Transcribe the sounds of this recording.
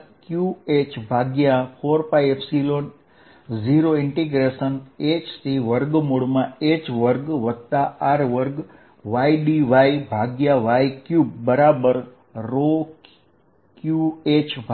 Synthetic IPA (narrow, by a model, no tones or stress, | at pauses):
kjuet͡ʃbʱaɡjafʰoɾpajepʰsilon | d͡ʒiɾoɪɳʈiɡɾeʃənet͡ʃsiʋəɾɡmoɽmãet͡ʃʋəɾɡʋəd̪̚t̪aaɾʋəɾɡ | ʋaiɖiʋaibʱaɡjaʋaikjubəɾabəɾ | ɾo | kjuet͡ʃbʱ